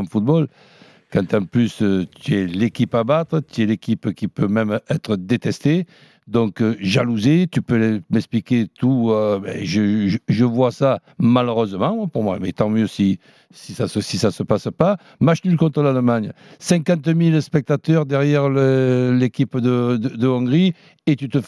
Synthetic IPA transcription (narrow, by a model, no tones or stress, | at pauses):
fut̪̚bɔl | kɑ̃nt̪ɑ̃plyst̪yɛlekʲipabat̪χət̪yɛlekʲipkʲipømɛmɛt̪χəd̪et̪ɛst̪e | d̪ɔ̃ŋkʒaluzet̪ypømɛksplikʲet̪uøbɛ̰ʒəʒəʒəvwasa | maløʁøzəmɑ̃ɛpuʁmwa̰mɛt̪ɑ̃mjøsi | sisasəsisasəpasəpa | maʃnylkɔ̃nt̪χəlaləmaɲə | sɛ̃ŋkɑ̃t̪milspɛk̚t̪at̪œʁd̪ɛʁjɛʁləlekʲipd̪əd̪əd̪əɔ̃ŋɡʁi | et̪yt̪ə